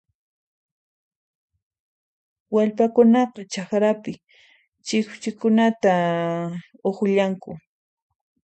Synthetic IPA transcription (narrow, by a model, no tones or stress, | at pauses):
waʎpakʊnɑqɑt͡ʃɑχɾapɪ | t͡ʃɪkt͡ʃɪkʊnat̪a | oχʊʎaŋkʊ